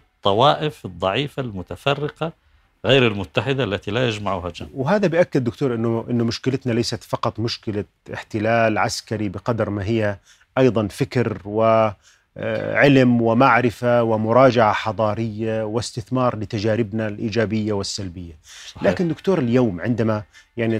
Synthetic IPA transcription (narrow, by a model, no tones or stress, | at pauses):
t̪ˤːɑwɑːʔɪfɨd̪ˤːɑʕiːfalmʊt̪afɑrːɪqɑ | ɣeːɾɪlmʊt̪ːaħɪd̪alːat̪ilajad͡ʒmaʕuːhad͡ʒawɦaːðabɪʔakːɪd̪ːʊkt̪oːɾˤʔɪnːʊʔɪnːʊmʊʃkɪlɪt̪nalajsat̪fɑqɑt̪ˤmʊʃkɪla | ɪħt̪ɪlaːlʕaskaɾibɪqɑd̪ɾmaɦɪjːa | ʔɑjðˤɑnfɪkɾwɪ̰ | ʕɪlmwɪmaʕɾɪfawɪmʊɾˤɑːd͡ʒaʕaħɑd̪ˤɑːɾɪjːawɪst̪ɪθmɑːɾˤlɪt̪ad͡ʒaːɾɪbnalʔiːd͡ʒaːbɪjːawɪsːalbɪjːalaːkɪnd̪ʊkt̪oːɾɪljoːmʕɪnd̪amajaʕni